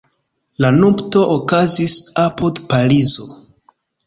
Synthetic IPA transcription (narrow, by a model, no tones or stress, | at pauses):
lanubto̞ʔokazisapodpaɾizo̞